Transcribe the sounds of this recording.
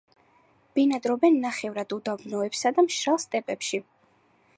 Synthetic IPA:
b̥inad̪ɾɔbɛnːaχɛvɾad̪ud̪abnɔɛpsad̪amʃɾalˠst̪ʼɛpʼɛpʃi

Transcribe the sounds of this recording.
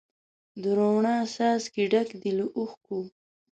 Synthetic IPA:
d̪əɾowɳɑsɑːskiɖakd̪iluʔuxku

